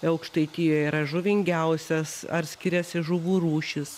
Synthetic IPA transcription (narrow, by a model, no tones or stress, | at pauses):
ɐʊkʃt̪ɐɪt̪ʲiːjoːjiːɾɐʒʊʋʲɪŋʲɡʲɛʊsʲɛsɐ̰rsʲkʲɪɾʲɛsʲɪʒʊʋuːɾuːʃʲɪs